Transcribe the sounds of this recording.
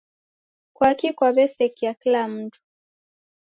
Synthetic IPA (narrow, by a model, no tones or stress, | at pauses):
kwakikwaβɛsɛkijakilam̩tu̥